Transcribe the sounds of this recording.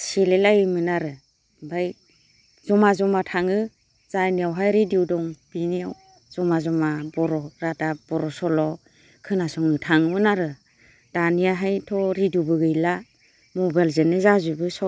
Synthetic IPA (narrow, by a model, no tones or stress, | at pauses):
silelajmɯnaɾɯ | baj | zɔmazɔmatʰaŋɯ | z̥ajniawɦajɾidiwdɔŋb̥iniaw | z̥ɔmazɔmabɔɾɔɾatab̥ɔɾɔsɔlɔ | kʰɯnasɔŋɯtʰaŋmɯnaɾɯ | d̥anijaɦajtʰɔɾidubɯɡɯjla | mɔbajlzɯnɯzazubɯsɔ